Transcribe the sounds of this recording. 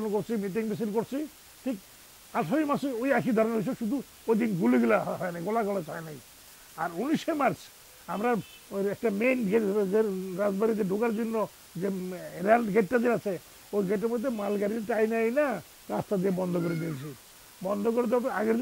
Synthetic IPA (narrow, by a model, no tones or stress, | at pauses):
nkoɾt͡ʃʰimiʈ̬iŋbisiɾkoɾt͡ʃʰi | ʈʰik̚ | aʈʰoimasojakʰid̪ʱɔɾɔnisɔʃud̪ʱu | ojd̪inɡuliɡilaɦɔjnajɡolakɔlat͡ʃajnaj | aɾunisemaɾs | amɾa | ɛk̚ʈamenɡeʈeɾad͡ʒbaɾid͡ʒeɖʱukaɾd͡ʒinːɔ | d͡ʒeɾalɡeʈːad̪iɾat͡ʃʰe | ojɡeʈ̬eɾmod̪ʱːemalɡaɾiɾʈajnajna | ɾast̪ad̪iebɔnd̪ʱɔkoɾid̪it͡ʃʰi | bɔnd̪ʱɔkoɾit̪ɔbap̪eaɡeɾd̪